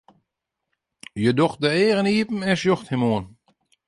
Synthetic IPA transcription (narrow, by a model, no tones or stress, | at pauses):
jədox̚dəeːɣəniəpn̩ɛsjoxthimoən